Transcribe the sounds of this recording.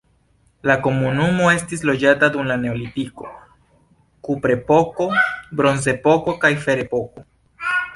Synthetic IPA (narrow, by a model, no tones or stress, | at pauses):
lako̞munumo̞e̞stis̬lo̞d͡ʒatadumlane̞olitiko̞̰ | kupɾe̞po̞ko̞bɾo̞nze̞po̞ko̞kajfe̞ɾe̞po̞ko̞